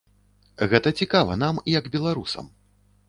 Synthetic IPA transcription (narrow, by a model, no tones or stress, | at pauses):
ɣɛt̪ɐt͡sʲikavɐ̰namjɐɡbʲɛlˠaɾusɐ̰m